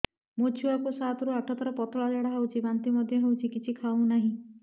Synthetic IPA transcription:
mot͡ʃʰuakusat̪ɔɾuaʈʰɔt̪ɔɾɔpɔt̪ɔɭad͡ʒaɽaɦawt͡ʃʰibant̪imɔd̪ʱjɔɦewt͡ʃʰikit͡ʃʰikʰaw̃naɦĩ

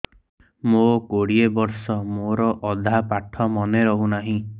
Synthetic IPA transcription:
mokoɽiebɔɾsɔmoɾɔʔɔd̪ʱapaʈʰɔmɔneɾɔɦunaɦĩ

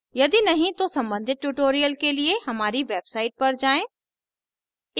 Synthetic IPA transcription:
jɐd̪inɐɦĩt̪osɐ̃mbə̃nd̪ʱɪt̪̚ʈuːʈoːɾijəlkelieɦɐmaːɾiʋeːbsaːɪʈ̚pɐɾd͡ʒaːẽː

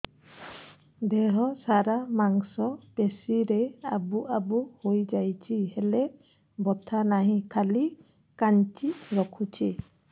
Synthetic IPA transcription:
dɛɦɔsaɾamaŋsɔpesiɾɛabuʔabuhojzajt͡ʃʰihɛlɛ | bɔtʰanaɦĩkʰali | kant͡ʃiɹɔkʰut͡ʃʰi

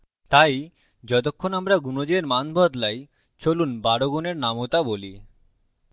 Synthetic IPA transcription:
t̪aj | d͡ʑɔt̪̬okʰːonamɾaɡunod͡ʑeɾmanbʱɔd̪laj | t͡ɕolunbaɾoɡuneɾnamot̪aboli

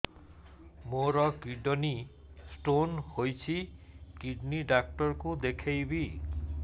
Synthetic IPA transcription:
moɾɔkiɖɔnisʈonhojt͡ʃʰikiɖniɖak̚ʈɔɾkud̪ekʰejbi

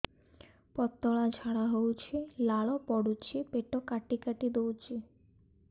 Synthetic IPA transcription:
pɔt̪ːɔɭad͡ʑʱaɽaɦowt͡ɕʰilaɭɔpɔɽut͡ɕʰipeʈokaʈikaʈid̪owt͡ɕʰi

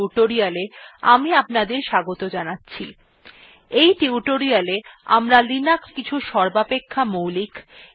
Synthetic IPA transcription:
uʈoɾialea̰miapnad̪eɾʃaɡot̪od͡ʑanatːɕʰḭ | ejʈiuʈoɾialea̰mɾalinakkit͡ɕʰuʃɔɾbapekʰːamowlik

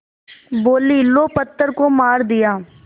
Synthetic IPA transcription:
boːliːloːpət̪ːəɾkoːmaːɾd̪ɪjaː

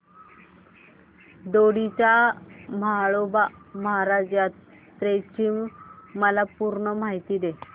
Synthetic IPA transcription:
d̪oɽit͡ɕaməaɭobaməɦaɾad͡ʑjat̪ | t̪ɾet͡ɕimːəlapuɾɳəmaɦit̪iːd̪e

